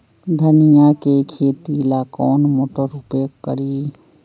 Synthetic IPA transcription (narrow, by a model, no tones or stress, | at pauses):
d̪ʱənijakekʰeːt̪ilaːkɔːnmoːʈoɾupekːə̰ɾi